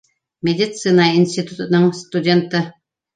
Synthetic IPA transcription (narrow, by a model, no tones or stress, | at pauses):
mʲedʲit̪sɨnainʲsʲt̪ʲit̪ut̪nɤŋst̪udʲent̪ə